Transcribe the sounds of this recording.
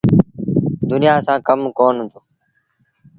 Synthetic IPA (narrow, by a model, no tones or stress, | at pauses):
d̪ʊnɪjaːsãːkəmkoːnɦʊ̃d̪oː